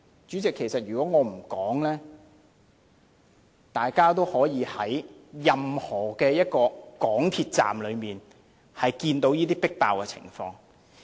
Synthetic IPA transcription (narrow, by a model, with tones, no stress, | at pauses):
t͡ʃyː˨˥t͡sɪ˨kʰːe˨˩jsɐ˨t̚ɥyː˨kɔː˨˥ŋɔː˨˧m̩˨˩kɔː˨˥ŋlɛː˥ | t̪aː˨jkaː˥t̪o˥whɔː˨˥jiː˨˧hɐ˨˥jjɐ˨mhɔː˨˩kɛː˧jɐ˥t̚kɔː˧kɔː˨˥ŋt̪ʰiː˧t̚t͡sa̰ː˨mlɵ˨˧ɥmiː˨n | hɐ˨jkiː˧nt̪o˨˥wjiː˥t̪iː˥pɪ˥k̚t̪a̰ː˨wkɛ˧t͡sʰɪ̰˨˩ŋfɔ̰ː˧ŋ